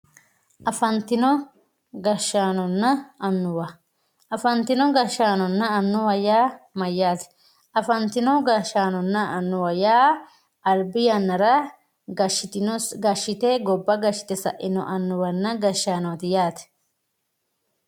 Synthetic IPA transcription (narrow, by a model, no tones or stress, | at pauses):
ʔɐfɐnt̪ɪnɔ | ɡɐʃːaːnɔnːɐɐnːʊwɐ | ʔɐfɐnt̪ɪnɔɡɐʃːaːnɔnːɐɐnːʊwɐjaːmɐjːaːt̪ɛ̥ | ʔɐfɐnt̪ɪnɔɡɐʃːaːnɔnːɐɐnːʊwɐjaː | ʔɐlbɪjɐnːɐɾɐ | ɐʃɪɡɐʃːɪt̪eɡɔbːɐɡɐʃːɪ̥t̪ɛsɐ̰ʔɪnɔ̰ʔɐnːʊwɐnːɐɡɐʃːaːnɔwɐt̪ɪjaːt̪ɛ̥